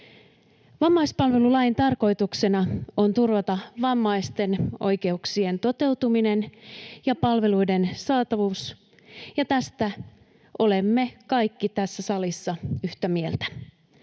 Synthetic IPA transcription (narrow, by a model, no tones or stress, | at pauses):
ʋɑmːɑjspɑlʋe̞lulɑjint̪ɑrko̞jt̪ukse̞nɑo̞nt̪urʋɑt̪ɑʋɑmːɑjst̪e̞no̞̰jke̞uksie̞nt̪o̞t̪e̞wt̪umine̞njɑpɑlʋe̞lujde̞nsɑːt̪ɑʋuːs | jɑt̪æst̪æ | ʔo̞le̞mːe̞kɑjkːit̪æsːæsɑlisːɑyht̪æmie̞lt̪æ̥